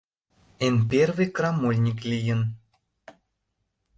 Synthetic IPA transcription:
enpʲervɨjkrɑmulʲnʲiklʲijə̆n

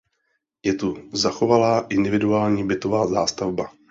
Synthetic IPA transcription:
jɛt̪uzaxo̞valaːʔɪndɪvɪduaːlɲiːbɪt̪o̞vaːzaːst̪avba

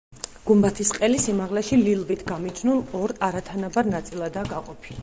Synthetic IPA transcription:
ɡ̥umbat̪ʰisqʼɛlisimaʁlɛʃililˠvit̪ʰɡamit͡ʃʰnulˠɔɾaɾat̪ʰanabaɾnat̪sʼilˠad̪aːɡaqʼɔpʰil

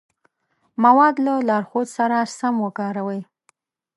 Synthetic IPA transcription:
mawɑd̪lalɑɾxod̪saɾasamwəkɑɾawəj

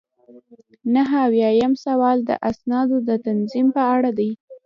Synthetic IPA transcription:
naɦawjɑjamsawɑld̪ə̰ʔasnɑd̪od̪ət̪anzimpəaɽad̪aj

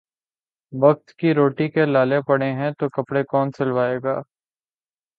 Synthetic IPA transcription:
ʋɐk̚t̪kiɾoːʈikelaːlepɐɽeɦɛ̃t̪okɐpɽekɔːnsɪlʋaːeːɡaː

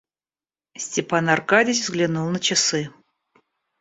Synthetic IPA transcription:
sʲtʲɪpanɑrkadʲɪs̬ʲvzɡlʲinulˠnət͡ɕɪsɨ

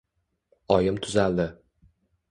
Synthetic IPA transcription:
ɒjɪmt̪ʰʊzald̪ɪ

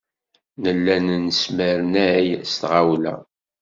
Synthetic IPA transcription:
nəlːænnəsməɾnæjst̪ʁawlæ̰

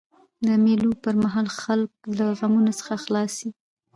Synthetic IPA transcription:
d̪əmelupəɾmaɦɑlxalk̚laɣamunosə̥xaxlɑsi

